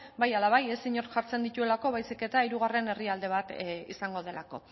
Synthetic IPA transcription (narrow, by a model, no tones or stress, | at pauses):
bajalaβaje̞siɲo̞ɾʝaɾt͡se̞nd̪it̪ue̞lako̞βajsike̞t̪aiɾuɣ̞are̞ne̞riald̪e̞β̞at̪ḭsaŋɡo̞ð̞e̞lako̞̰